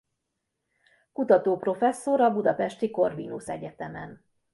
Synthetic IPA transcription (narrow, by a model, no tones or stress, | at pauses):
kut̪ɒt̪oːpro̞fɛsːo̞ɾɒbud̪ɒpɛʃt̪iko̞rʋinusɛɟɛt̪ɛmɛn